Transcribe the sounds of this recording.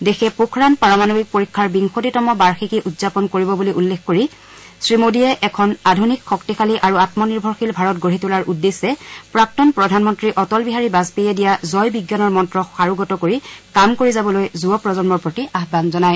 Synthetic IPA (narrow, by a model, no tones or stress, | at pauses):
dexʰɛpukʰɹanpaɹɔmanobik̚poɹikʰːaɹbiŋxotitɔmɔbaɹxikiʔudzapɔnkoɹibɔbuliʔulːexkoɹi | sɹimodijɛʔɛkʰɔnadʱunikxɔktixʰaliʔaɹuatmɔniɹbʱɔɹxilbʱaɹɔtɡoɹitulaɹʔudːesːɛpɹak̚tɔnpɹɔdʱanmɔntɹiʔɔtɔlbiɦaɹibaspejɛdijazɔjbiɡjanɔɹmɔntɹɔxaɹuɡɔtɔkoɹikamkoɹizabɔlojzuɔpɹɔzɔnmɔɹpɹotiaɦbanzɔnaj